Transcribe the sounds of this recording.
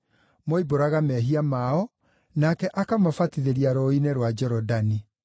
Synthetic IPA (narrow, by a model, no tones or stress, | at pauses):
mɔiboɾaɣamɛɦiamaɔ | nakɛʔakamafatiðeɾiaɾɔineɾwad͡ʒɛɾɔdani